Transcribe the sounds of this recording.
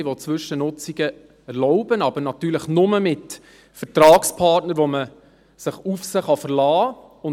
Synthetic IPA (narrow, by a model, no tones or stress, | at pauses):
ʋɔt͡sʋʏʃənʊt͡siɡə | ɛɾlɔʊbənɑbəɾnɑt̪ːyːɾləχnʊməmɪt | fəɾtɾɑːkspʰɑːtnəɾʋɔmə | səχufsəχɑfəɾlɑː | ʊ